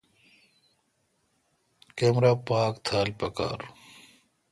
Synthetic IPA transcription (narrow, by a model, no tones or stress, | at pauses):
keːmɾaːpaːkt̪ʰaːlpɐka̰ːɾ